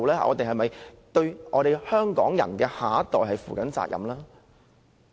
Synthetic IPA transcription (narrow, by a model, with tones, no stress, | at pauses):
wlɛː˥a̰˨ɔ̰ː˨˧t̪e˨jɦɐ˨jmɐ˨j | t̪ɵ˧ɥʔɔː˨˧ɾe˨jhœː˥ŋkɔː˨˥ŋjɐ̰˨˩nkɛː˧haː˨˥t̪ɔː˨jɦɐ˨jfuː˨˩kɐ˨˥nt͡sa̰ː˧k̚jʔɐ̰˨˩mlaː˥